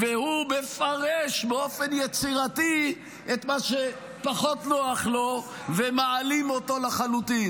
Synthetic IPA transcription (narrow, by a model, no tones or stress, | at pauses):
vehumefaʁeʃbeofenjet͡siʁat̪i | ʔet̪maʃe | paχo̞tnoaχlo̞ | vemaalimo̞t̪o̞laχalut̪in